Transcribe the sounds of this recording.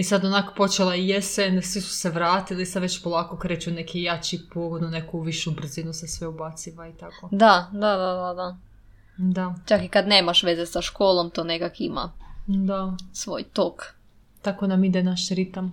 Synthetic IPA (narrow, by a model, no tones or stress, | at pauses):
isad̪onako̥po̞t͡ʃelaijesensʋisu̥seʋɾaːt̪ilisad̪ʋet͡ɕpolˠaːkokɾeːt͡ɕunekʰijat͡ɕipoːɡod̪nunekuʋiʃubr̩zinusasʋeubat̪siʋait̪akod̪ad̪ad̪ad̪ad̪a | d̪at͡ʃakikad̪ne̞ːmaʃʋe̞zesaʃkoːlomt̪oːnekakima̰d̪asʋo̰jt̪ok | t̪akonamid̪enaʃɾit̪am